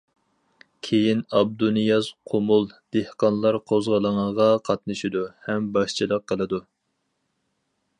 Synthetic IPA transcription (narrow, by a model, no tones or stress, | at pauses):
kʲʰejinɑb̚d̪unɨjɑzqʰomulˠd̪̥ehqɑnlˠɑɾqʰozʁəlˠəŋəʁɑqʰɑt̪nɨʃid̪uhɛmbɑʃt͡ʃʰilˠəq̚ʰːəlˠɨd̪u